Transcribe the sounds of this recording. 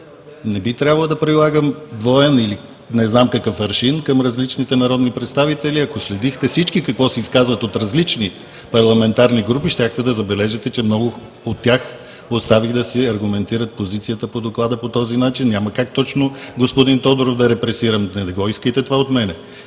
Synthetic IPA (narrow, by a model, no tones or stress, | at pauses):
nɛbit̪ɾʲabɐlˠəd̪ɐpɾilˠaɡəmd̪vɔɛnili | nɛznamkɐkɤfɐɾʃinkɐmɾɐzlit͡ʃnit̪ɛnɐɾɔd̪nipɾɛt̪st̪avit̪ɛliɐkoslɛd̪ixt̪ɛfsit͡ʃkikɐkvɔsɛiskazvət̪ot̪ɾɐzlit͡ʃni | pɐɾlˠɐmɛnt̪aɾniɡɾupiʃt̪ʲaxt̪ɛd̪ɐzɐbɛlɛʒɛt̪ɛt͡ʃɛmnɔɡʊ | ot̪ːax | ost̪aviɣd̪ɐsiɐɾɡʊmɛnt̪iɾət̪̚pozit̪sijət̪əpod̪oklˠad̪əpot̪ɔzinat͡ʃinːjaməkak̚t̪ɔt͡ʃnoɡospod̪int̪ɔd̪oɾofd̪ɐɾɛpɾɛsiɾəmnɛd̪ɡɔiskəjt̪ɛt̪ovaot̪mɛnɛ